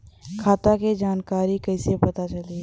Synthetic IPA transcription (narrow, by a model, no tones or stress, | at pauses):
kʰaːt̪aked͡ʒaːnkaːɾikɐɪsepɐt̪at͡ʃɐle